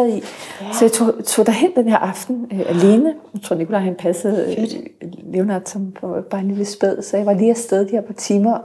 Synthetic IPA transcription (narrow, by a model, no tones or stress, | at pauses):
ð̩ˠisɒ̽jɑ̈ɪt͡sʰo̰t͡sʰo̝̰d̥æɦen̰d̥enheɐʔɑ̈fd̥n̩øʔæle̝ːnət͡sʰʁo̝ɐnikʰolæɪhænpʰæsəð̩ˠ | le̝ʊnɑd̥sɒ̽mpʰb̥ɑ̈e̝nliləsb̥eð̞̰ˠsɒ̽jɑ̈ɪʋɑ̈liːæsd̥eð̞ˠd̥iheɐpʰɑ̈t͡sʰiːmɐ